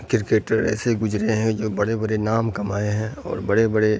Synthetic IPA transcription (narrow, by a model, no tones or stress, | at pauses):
kɪɾkeːʈəɾɛ̰ːseɡʊd͡ʒɾeɦɛ̃d͡ʒoːbɐɽebɐɽenaːmkɐmaːeɦɛ̃ɔ̰ːɾbɐɽebɐɽe